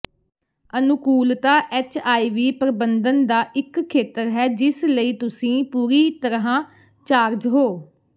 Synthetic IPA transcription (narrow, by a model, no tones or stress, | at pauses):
ənʊkuːlt̪aːʔɛːt͡ʃaːiːʋiːpɾəbənd̪ənd̪aːʔɪkʰːeːt̪əɾɦɛːd͡ʒɪsləiːt̪ʊsĩːpuːɾiːt̪əɾɦãː | t͡ʃaːɾd͡ʒɦoː